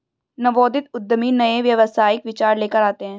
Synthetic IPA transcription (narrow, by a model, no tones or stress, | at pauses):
nɐʋɔːd̪ɪt̪ʊd̪ːəminɐeʋjɐʋəsaːɪkʋɪt͡ʃaːɾleːkəɾaːt̪eɦɛ̃ː